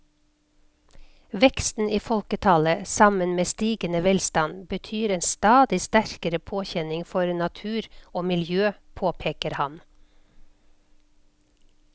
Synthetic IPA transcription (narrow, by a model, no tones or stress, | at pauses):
ʋɛkst̪n̩iːfɔlkət̪ʰɑːləsɑmənmeːst̪iːɡənəʋɛlst̪ɑnbət̪ʰyːɾeːnst̪ɑːd̪ɪst̪æɾkəɾəpʰoːçɛnɪŋfɔɾnɑt̪ʰʉːɾoːmɪljøːpʰoːpʰeːkəɾhɑn